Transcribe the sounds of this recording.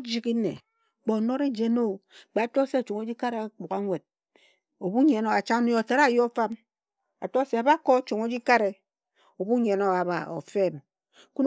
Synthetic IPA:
d͡ʒi˦ki˦nḛ˨ | k͡po˨no˦ɾe˦d͡ʒe˨no˦˨k͡pa˨a˨to˦se˦a˨t͡ʃu˨ŋo˦d͡ʒi˦ka˦ɾe˨˦k͡pu˨ka˦ŋʷe˨d̚ | o˨bu˦ɲe˨no˨a˨t͡ʃa˦nu˦jo˨ta˨ɾa˦˨jo˦fa˦m | a̰˨to˦se˨a˨ba˦ko˦t͡ʃu˨ŋo˦d͡ʒi˦ka˦ɾe˨ | o˨bu˦ɲe˨no˨a˨ba̰˨o̰˨fe˦˨m | ku˦n

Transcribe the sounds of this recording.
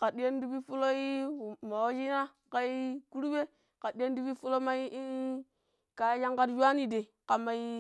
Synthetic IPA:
ka˨ɗi˦je˦n˦du˦bi˦fu˦lo˦i˦˨ma˨wo˦d͡ʒi˦na˦ | ka˦i˦ku˦ɾu˦be˦ | ka˨di˦je˦n˦du˦bi˦fu˦lo˦ma˦i˦ | ka˨˦ja˦ŋka˦tja˦ni˨de˨ka˨ma˨i˦

